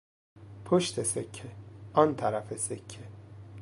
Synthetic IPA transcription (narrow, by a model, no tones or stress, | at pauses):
pʰoʃt̪ʰesecʰːeʔɒnt̪ʰæɾæfesekʰːe